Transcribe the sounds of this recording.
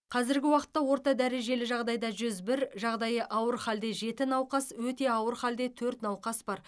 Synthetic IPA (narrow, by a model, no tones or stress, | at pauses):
qʰɑzɪɾɡʲɪwɑqə̥t̪ːɑwo̞ɾt̪ɑd̪æɾe̞ʒe̞lɪʒɑʁd̪ɑjd̪ɑʒʏzbɪɾʒɑʁd̪ɑjəʔɑwəɾχɑld̪e̞ʒe̞t̪ɪnɑwqɑswɵt̪e̞ɑwəɾχɑld̪e̞t̪ʰɵɾt̪nɑwqɑsbɑɾ